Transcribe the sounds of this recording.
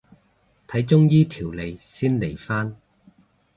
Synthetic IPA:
t̪ʰɐ˨˥jt͡ʃʊ˥ŋjiː˥t̪ʰiː˨˩wle˨˧jsiː˥nle˨˩jfaː˥n

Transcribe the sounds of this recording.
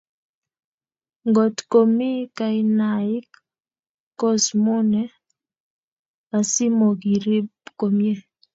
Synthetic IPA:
ŋɡo˨t̪ko˨mi˦ka˨ɪ˦na˨ɪ˦kː | o˦smo˦nɛ˨˦ | a˨si˦mo˨ɡi˨ɾi˦pko˨mje˦

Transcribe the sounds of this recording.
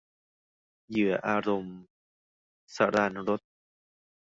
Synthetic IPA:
jɯ˨˩˦ɐʔaː˧ɾo˧m | sa̰ː˩˦˥ɾaː˧nɾo˦˥t̪̚

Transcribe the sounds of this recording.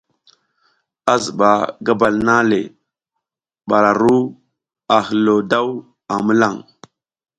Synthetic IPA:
a˦zə˨ɓa˨ɡa˦ba˨lna˦le˨ | ɓa˨ɾa˨ɾu˦ | a˨hə˨lo˨da˦w | a˨mə˦la˦˨ŋ

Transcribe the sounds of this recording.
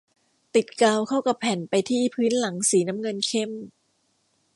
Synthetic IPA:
t̪i˨˩t̪̚kaː˧wkʰa˥˩wka˨˩pʰːɛ˨˩npa˧jt̪ʰiː˥˩pʰɯː˦˥nla˩˦ŋsiː˩˦na˦˥mŋɤ˧nkʰe˥˩m

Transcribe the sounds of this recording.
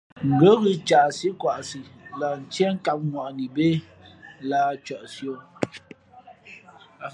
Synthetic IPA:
ŋ̩˨ɡə˦ɣɨ˦t͡ʃa˨si˦kwa˨ʔsi˨la˨n̩˨t͡ʃjɛ˦ŋ˦ka˦p̚ŋwa˨ʔni˨be˦ | laː˦˨t͡ʃɔ˨ʔsjo˦˨

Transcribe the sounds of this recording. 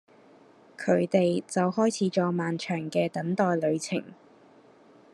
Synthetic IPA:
kʰɵ˨˧ɥt̪e˨jt͡sɐ˨whɔː˥jt͡sʰiː˨˥t͡ʃɔː˧maː˨nt͡ʃʰœː˨˩ŋkɛː˧t̪ɐ˨˥nt̪ɔː˧jlɵ˨˧ɥt͡sʰɪ˨˩ŋ

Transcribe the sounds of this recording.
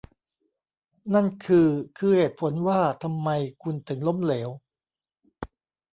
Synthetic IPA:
na˥˩nkʰɯː˧kʰɯː˧heː˨˩t̪̚pʰo˩˦nwaː˥˩t̪ʰa˧mːa˧jkʰu˧nt̪ɯ˨˩˦ŋlo˦˥˨mleː˩˦w

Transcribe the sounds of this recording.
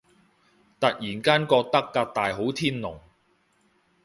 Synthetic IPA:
t̪ɐ˨k̚jiː˨˩nkaː˥nkɔː˧k̚t̪ɐ˥kːaː˧k̚t̪aː˨jɦo˨˥wt̪ʰiː˥nlʊ˨˩ŋ

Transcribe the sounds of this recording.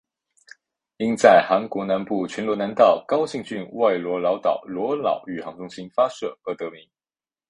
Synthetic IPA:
i˥nt͡sa˥˩ɪxa˧˥nkwɔ˧˥na˧˥npu˥˩t͡ɕʰɛ˧˥nlwɔ˧˥na˧˥nt̪ɑ˥˩ʊkɑ˥ʊɕi˥˧ŋt͡ɕy˥˧nwa˥˩ɪlwɔ˧˥lɑ˧˥ʊt̪ɑ˨˩ʊlwɔ˧˥lɑ˨˩˦ʊy˨˩xɑ˧˥ŋʈ͡ʂʊ˥ŋɕi˥nfa˥ʂɤ˥˩ɤ˥˧˩t̪ɤ˧˥mi˧˥˦

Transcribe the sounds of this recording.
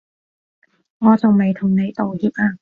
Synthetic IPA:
ŋɔː˨˧t͡sʊ˨wme˨˧jt̪ʰʊ˨˩ŋne˨˧jt̪o˨whiː˨p̚ʔaː˧

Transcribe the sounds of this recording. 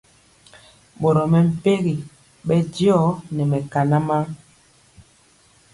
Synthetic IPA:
ɓo˨ɾɔ˨mɛ˨m̩˨pe˦ɣi˨ | ɓɛ˦djɔ˦nɛ˨mɛ˨ka˨na˦ma˦

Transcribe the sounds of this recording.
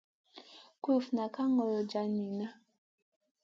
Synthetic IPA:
ku˦˨fna˨ka˦ŋɔ˨lɔ˨d͡ʒa˨ni˨na˦

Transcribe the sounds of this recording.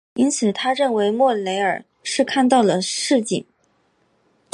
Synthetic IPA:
i˥nt͡sʰɹ̩˨˩t̪ʰa˥ɻə˥˩nwe˧˥ɪmwɔ˥˩le˧˥ɪə˞˨˩ | ʂɻ̩˥˧kʰa˥˧nt̪ɑ˥˩ʊlə˩ʂɻ̩˥˧t͡ɕḭ˨˩˦ŋ

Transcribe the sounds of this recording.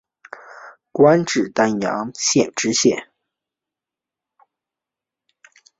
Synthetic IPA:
kwa˥nʈ͡ʂɻ̩˥˩t̪a˥njɑ̰˧˥ŋɕjɛ˥˩nʈ͡ʂɻ̩˥ɕjɛ̰˥˩n

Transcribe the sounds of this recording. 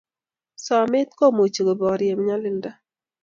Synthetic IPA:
sɔ˨mɪ˦t̪̚ko˦˨mo˨t͡ʃi˨ɡo˨bɔ˨ɾje˨mɪ˦ɲa˦lɪ˦nda˦

